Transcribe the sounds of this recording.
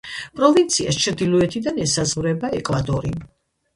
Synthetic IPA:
pʼɾɔvint̪sʰia̰st͡ʃʰɾd̪ilɔɛt̪ʰid̪anɛsazʁvɾɛbaɛkʼvad̪ɔɾi

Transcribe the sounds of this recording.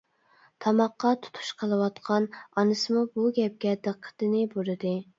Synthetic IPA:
t̪ʰɑmɑqːɑt̪ʰu̥t̪ʰu̥ʃqʰəlˠɨwɑt̪qʰɑnɑnɨsɨmubuɡʲɛp̚ɡʲɛd̪ɨqʰːə̥t̪ɨnɪbuɾɨd̪ɨ

